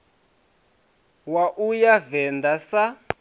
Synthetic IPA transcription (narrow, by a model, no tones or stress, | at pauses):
waʔujavɛndasa